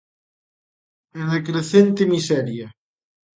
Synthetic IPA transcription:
enekɾeθent̪emisɛɾja

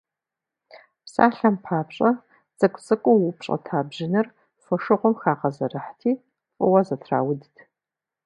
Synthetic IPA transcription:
psa̰ːɬɐmpʰaːpɕʼɐ | z̥ɐkʷʼt͡sʼɨkʷʼʊwʊpɕʼɐ̰tʰaːbʒɪnɨr | fɔʂɨʁʷʊmxaːqɐzɐrɨħtʰiː | qʼʊwɐzɐtʰra̰ːwʊdtʰ

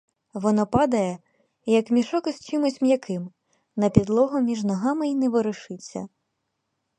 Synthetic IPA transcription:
ʋɔnɔpɑd̪ɐjɛ | jɐkmʲiʃɔkɪst͡ʃɪmʊsʲmjɐkʰɪm | nɐpʲid̪lˠɔɦʊmʲiʒnɔɦɑmɪinɛʋɔɾɪʃɪt͡sʲːɐ̰

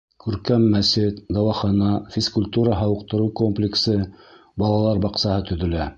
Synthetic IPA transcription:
kʉɾkæmːæsɘt̪d̪ɑwɑχɑnɑfʲiskʊlʲt̪uɾɑɦɑwɤ̆qt̪ɤ̆ɾɤwkomplʲɪksɤ | bɑlˠɑlˠɑɾbɑqsɑhɤt̪ɵ̆ðɵ̆læ

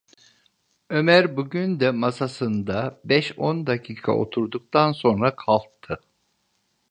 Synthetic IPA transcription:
ø̞mæɾbuɟynd̪ɛmasasɯnd̪abɛʃond̪acʰiːkʰa̰ʔo̞̰t̪ʰuɾd̪uk̚t̪ʰanso̞nɾakʰalˠtt̪ʰːɯ

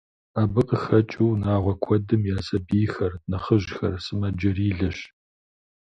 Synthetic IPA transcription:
aːbɨqʼəxɐt͡ʃʼuwnaːʁʷɔkʷʰɔdɨmjaːsɐbiːjxɐrnɨχəʒxɐ̰rsɨmɐd͡ʒɐriːɮɐɕ

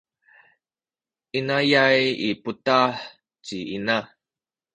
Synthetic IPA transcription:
ʔinajajiputaħ | t͡ɕiina

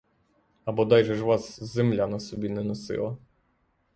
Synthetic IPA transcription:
ɐbɔd̪ɑjʒɛʒʋɑszemlʲanɐsɔbʲinɛnɔsɪ̰lˠɐ

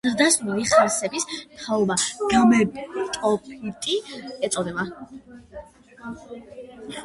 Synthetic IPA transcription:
zəɾd̪asmiliχaɾsɛbist̪ʰaɔbaɡ̥amɛt̪ʼɔpʰʼit̪ʼiɛt̪sʼɔd̪ɛba

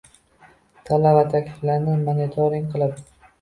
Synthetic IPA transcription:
t̪ʰalavat̪ʰakʲlɪflaɾnɪmonit̪ʰoɾɪŋqʰɨlˠad̪ɪ

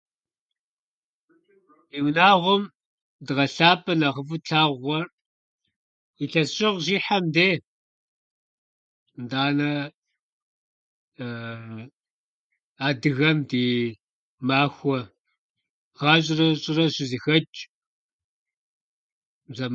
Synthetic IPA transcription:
iːwnaːʁʷʊm | dɨʁɐɬaːpʼɐnɐʁəfuɬʰaːʁʷɔr | iɬɐɕʼɪʁʒiːħamdeː | ndaːnɐ | aːdɨɣɐmdiː | maːxʷɔ | ʁɑːɕ̬ʼɪrɐɕʼɪrɐɕɪzixɐt͡ʃʼ | zɐm

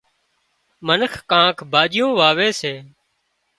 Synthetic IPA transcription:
mənəxʰkãːkʰbʱaːd͡ʒɪjõːʋaːʋeːseː

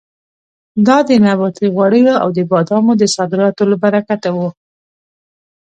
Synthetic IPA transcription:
d̪ɑd̪ənabɑt̪iɣwaɽəjoa̰wd̪əbɑd̪ɑmod̪əsɑd̪ɪɾɑt̪olabaɾakat̪awu

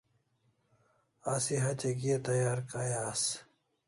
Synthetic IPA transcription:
asiɦɐt͡ɕeɡiet̪ɐjaːɾkajaːs

